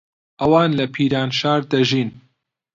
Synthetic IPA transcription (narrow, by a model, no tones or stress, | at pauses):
ʔɐwaːnlɐpʰiːɾaːnʃaːɾd̪ɐʒiːn